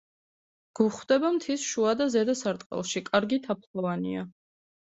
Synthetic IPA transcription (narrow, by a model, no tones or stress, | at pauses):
ɡ̥uχwd̪ɛbamt̪ʰisʃuad̪azɛd̪asaɾt̪ʼqʼɛ̰lˠʃikʼaɾɡit̪ʰapʰlɔvanḭa